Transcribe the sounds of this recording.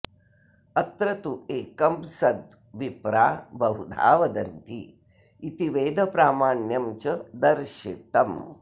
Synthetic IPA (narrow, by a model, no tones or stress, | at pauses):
ɐt̪ɾɐt̪ueːkɐmsɐd̪ | ʋipɾaːbɐɦud̪ʱa̰ːʋɐd̪ɐnt̪ḭ | it̪iʋeːd̪ʱɐpɾaːmaːɳjɐmt͡ʃɐd̪ɐɾʃit̪ɐm